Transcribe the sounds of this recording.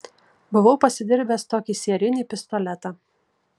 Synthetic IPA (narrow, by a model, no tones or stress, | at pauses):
bʊʋɐʊpɐsʲɪd̪ʲɪɾʲbʲeːst̪oːkʲiːsʲeɛɾʲɪnʲiːˑpʲɪst̪ɔlʲɛt̪ɑː